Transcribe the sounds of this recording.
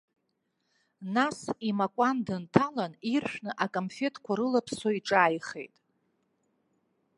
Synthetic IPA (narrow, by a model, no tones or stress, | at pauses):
nasimakʷʼandɨntʰalanirʃᶣnɨʔakʼomfe̞tʼʰkʷʰaɾɨlapʰsoiʈ͡ʂʼaːjχe̞̰jtʼ